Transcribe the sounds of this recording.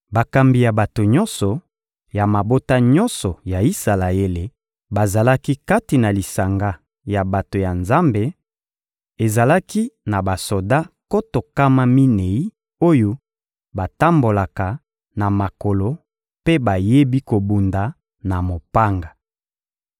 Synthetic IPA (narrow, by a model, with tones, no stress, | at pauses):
ba˨ka˨mbi˨ja˨ba˨to˨ɲɔ˦nsɔ˨ | ja˨ma˨bo˦ta˦ɲɔ˦nsɔ˨ja˨i˦sa˨la˨e˦le˨ | ba˨za˨la˦ki˦ka˦ti˨na˨li˨sa˨ŋɡa˦ | ja˨ba˨to˨ja˨nza˦mbe˨ | e˨za˨la˦ki˦na˨ba˨so˨da˦ko˦to˨ka˦ma˦mi˦ne˨i˦ | o˦jo˦ | ba˨ta˦mbo˨la˨ka˨ | na˨ma˨ko˨lo˨ | pe˦ba˨je˦bi˦ko˨bu˨nda˨ | na˨mo˨pa˦ŋɡa˨